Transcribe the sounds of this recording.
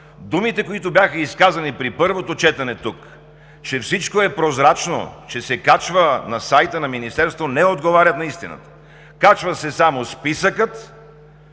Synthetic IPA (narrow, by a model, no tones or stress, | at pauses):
d̪umit̪ɛkoit̪ʊbʲjaxəiskazɐnipɾipɤɾvot̪ot͡ʃɛt̪ɐnɛt̪uk | t͡ʃɛfsit͡ʃkoɛpɾozɾat͡ʃno̰t͡ʃɛsɛkat͡ʃvənɐsajt̪ənɐminist̪ɛɾst̪vonɛod̪ɡovaɾʲɐt̪nɐist̪inə̰t̪ə̥ | kat͡ʃvəsɛsamospisəkət̪